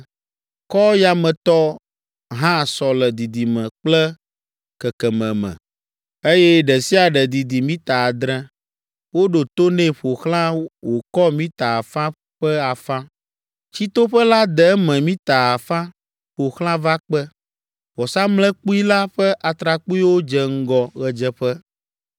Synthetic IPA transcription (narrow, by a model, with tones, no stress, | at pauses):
kɔ˦ja˨mɛ̃˨t̪ɔ˦ | ɦã˦˨sɔ˨lɛ˨d̪i˨d̪i˨mɛ̃˨k͡plɛ˦ | kɛ˨kɛ˨mɛ̃˨mɛ̰̃˨ | e˦jɛ˦ɖɛ˨si˦a˨ɖɛ˨d̪i˨d̪i˨mĩ˦t̪a˨a˨d̪ɾɛ̃˦ | wo˦ɖo˨t̪o˦nɛ̃˦ɸo˨xlã˦wo˨kɔ˦mĩ˦t̪a˨a˨fã˦ | ɸɛ˦a˨fã˦ | t͡ɕi˦t̪o˦ɸɛ˦la˦d̪ɛ˨˦mɛ̃˨mĩ˦t̪a˨a˨fã˦ | ɸo˨xlã˦va˦k͡pɛ˦ | ɸɔ˨sa˦mlɛ̃˦k͡pu˦i˦la˦ɸɛ˦ʔa˨t̪ɾa˨k͡pu˦i˦wo˦d͡ʒɛ˦ŋ̩˦ɡɔ˦ɣɛ˦d͡ʒɛ˦ɸɛ˦